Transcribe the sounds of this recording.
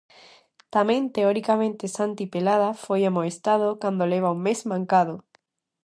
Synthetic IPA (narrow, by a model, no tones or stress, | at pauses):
t̪amẽnt̪eoɾikamẽnt̪esant̪ipelaðafojamoest̪að̞okand̪oleβ̞auŋmezmãŋkaðo